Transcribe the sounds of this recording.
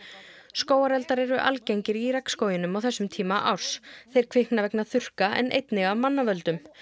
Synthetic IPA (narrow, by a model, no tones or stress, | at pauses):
skoːwaɾɛlt̪aɾɛɾʏʔa̰lcejɲcɪɾiɾɛkskowjɪnʏmawθɛsːʏmt̪ʰiːmaʔa̰wɾ̥sθejɾ̥kʰv̥ɪhknavɛknaθʏr̥kaɛ̰nʔḛjt̪nɪɣavmanːavœlt̪ʏm